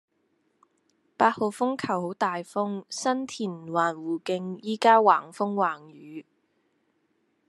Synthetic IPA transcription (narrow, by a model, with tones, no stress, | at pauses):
paː˧t̚ho˨˧wfʊ˥ŋkʰɐ˨˩who˨˥wt̪aː˨jfʊ˥ŋsɐ˥nt̪ʰiː˨˩n˨waː˨˩nwuː˨˩kɪ˧ŋjiː˥kaː˥waː˨˩ŋfʊ˥ŋwaː˨˩ŋjyː˨˦